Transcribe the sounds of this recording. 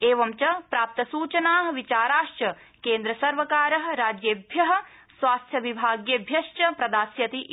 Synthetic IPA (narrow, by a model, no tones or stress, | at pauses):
eːʋɐmt͡ʃɐpɾaːp̚t̪ɐsuːt͡ʃɐnaːɦɐ̆ʋit͡ʃaːɾaːʃt͡ʃɐ | keːnd̪ɾɐsɐɾʋɐkaːɾɐɦɐ̆ɾaːd͡ʒjeːbʱjɐɦɐ̆ | sʋaːst̪ʰjɐʋibʱaːɡjɐbʱjɐʃt͡ʃɐpɾɐd̪aːsjɐt̪iʔ